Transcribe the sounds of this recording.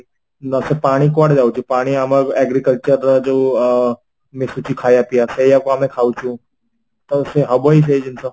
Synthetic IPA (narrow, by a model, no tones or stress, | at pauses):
nəsepaɽ̃ikʋaʈd͡zawt͡ʃipaɽ̃iaməɡɛɡɾikəlt͡ɕəɾad͡ʑo | mesut͡ɕikʰajapiasejakoamẽkʰaut͡ʃũː | t̪əseɦəbois̬ed͡ʑinsə